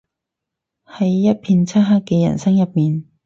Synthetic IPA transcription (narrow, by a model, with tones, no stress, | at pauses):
hɐ˨˦jːɐ˥t̚pʰi˧nt͡sʰa˥t̚ɦaː˥kːɛ˧jɐ̰˨˩nsɐ˥ŋjɐ˨p̚miː˨n